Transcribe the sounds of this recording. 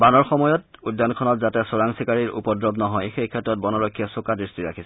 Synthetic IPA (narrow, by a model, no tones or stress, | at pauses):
banɔɹxɔmɔjɔtudːankʰɔnɔtzatɛsɔɹaŋsikaɹiɹṵpɔdɹɔbnɔɦɔjxejkʰɛtɹɔt̚bɔnɔɹɔkʰːiɛsokadɹistiɹa̰kʰisɛ